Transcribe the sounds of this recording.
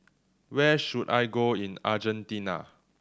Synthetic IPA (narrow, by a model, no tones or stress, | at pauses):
wɛʃuda̰jɡoĩnad͡ʒə̃ntĩna̰